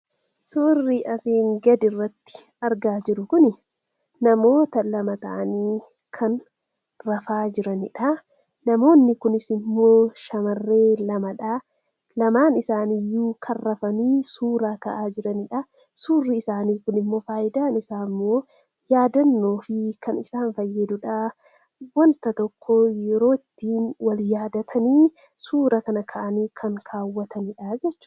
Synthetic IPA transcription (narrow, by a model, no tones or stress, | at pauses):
suːrːiʔɐseːŋɡɐd̪ɪrːɐt̪ːɪ̥ | ɐɾɡaːd͡ʒɪɾʊkʊnɪ | nɐmo̞ːt̪ɐlɐmɐt̪ɐ̰ʔɐniː | kʰɐn | rɐfaːd͡ʒɪɾɐnɪᶑɐ | nɐmo̞ːnːɪkʊnɪsɪmːo̞ːʃɐmɐrːe̞ːlɐmɐᶑaː | lɐmaːnɪsaːnijːuːkʰɐrːɐfɐniːsuːɾaːkɐʔaːd͡ʒɪɾɐnɪᶑɐ | suːrːɪːsaːniːkʊnɪmːo̞ːfaːʔɪd̪aːnɪsaːmːo̞ː | jaːd̪ɐnːo̞ːfɪkʰɐnɪsaːnfɐjːɐd̪ʊᶑa | wɔnt̪ɐt̪ɔkʰːoːjɛɾo̞ːɪt̪ːiːnwɐljaːd̪ɐt̪ʰɐniː | suːɾɐkɐnɐkʰɐʔɐniːkʰɐŋkʰaːwːɐt̪ʰɐnɪᶑaːd͡ʒɛt͡ʃːʊ̥